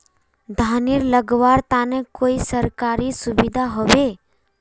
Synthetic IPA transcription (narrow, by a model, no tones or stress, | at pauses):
d̪ʱaːnɪɾləɡʋaːɾt̪aːnẽkoːisəɾkaːɾisʊbid̪ʱaɦoʋe